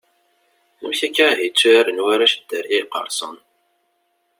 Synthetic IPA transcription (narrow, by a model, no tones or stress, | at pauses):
θəmçækːæɦit͡sːuæɾənwæɾaʃəd̪̥əɾiqə̰ɾˤsˤə̰n